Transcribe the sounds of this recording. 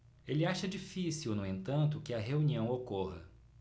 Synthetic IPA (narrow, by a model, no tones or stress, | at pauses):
elɪaʃɐd͡ʒifisiwnũẽnt̪ɐ̃nt̪ʊkɪɐɦeuniɐ̃w̃okoɦɐ̰